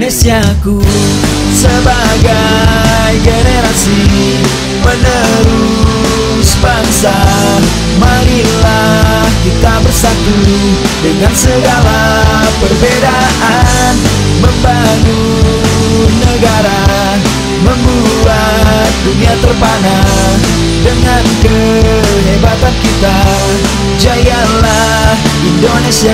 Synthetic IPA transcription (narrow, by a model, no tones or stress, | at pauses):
nesiaku | səba | ɡa | jɡeneɾasi | mənə | ɾuu | sbaŋsa | maɾila | hkit̪abərsaku | dəŋansəɡala | pərbeda | ʔa | n | məmbanu | nəɡaɾa | məmbua | t̪̚duniat̪ərpana | dəŋankə | nebat̪ankit̪a | d͡ʒajanla | hindonesia